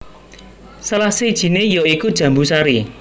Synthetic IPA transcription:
salahsed̥ʒ̥i̤nejɔikud̥ʒ̥ä̤mbusaɾi

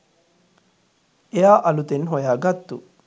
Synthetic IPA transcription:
ejaːʔɐlut̪enɦojaːɡɐt̪ːṵ

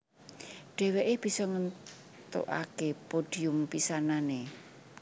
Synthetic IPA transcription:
ɖ̥ɛ̤weʔeb̥i̤sɔŋən | t̪o̰ʔa̰kepoɖ̥iʊmpisanane

